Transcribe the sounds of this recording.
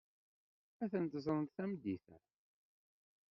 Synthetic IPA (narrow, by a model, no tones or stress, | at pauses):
æθənt̪zˤɾˤənt̪θæmd̪ːiθæ̰